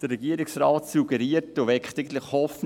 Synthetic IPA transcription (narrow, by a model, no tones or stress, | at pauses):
d̥əɾːɛɡiːəɾɪksɾɑːtsuɡɛɾiəɾtoʋɛkχt̪ɪɡn̩tləχhɔfn